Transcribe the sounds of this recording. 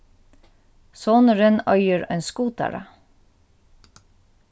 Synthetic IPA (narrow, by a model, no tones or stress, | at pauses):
soːnəɹənœʏəɹœ̰nskuːt̪æ̰ɹɑ̰